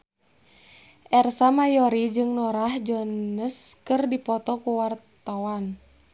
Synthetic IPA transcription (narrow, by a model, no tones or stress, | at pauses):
ʔɛrsamajɔɾid͡ʒɨŋnɔɾahd͡ʒɔnəskɨrdipɔt̪ɔkuwart̪awan